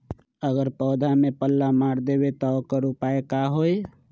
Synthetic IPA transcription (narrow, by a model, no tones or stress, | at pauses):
əɡəɾpɔːd̪ʱamepəlːamaɾd̪ebet̪ɔkəɾupaekaɦoj